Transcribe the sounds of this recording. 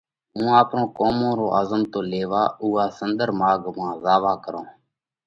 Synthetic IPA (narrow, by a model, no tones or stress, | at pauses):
ɦũːaːpnõːkoːmõːɾoːʔaːzəmt̪oːleːʋaːuːaːsənd̪əɾmaːɡmãːzaːʋaːkəɾõː